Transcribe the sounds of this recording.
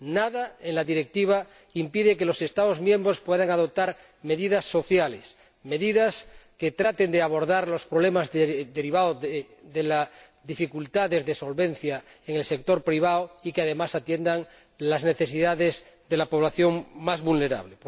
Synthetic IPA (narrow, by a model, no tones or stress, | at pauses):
naðaenlaðiɾek̚t̪iβ̞a | impiðekelo̞se̞st̪aðozmjẽ̞mbɾo̞spweðaŋaðop̚t̪aɾ | me̞ðiðasːo̞θjales | me̞ðiðaske̞t̪ɾat̪e̞nd̪eaβ̞oɾðaɾlo̞spɾoβ̞lemazðed̪eɾiβao | ðela | ðifikult̪aðe̞zðeso̞lβẽn̟θja | eŋelsek̚t̪o̞ɾpɾiβ̞aoikeaðe̞masat̪je̞nd̪aŋ | lazne̞θe̞siðaðez | ðelapo̞β̞laθjo̞ŋmazβulne̞ɾa̰βlep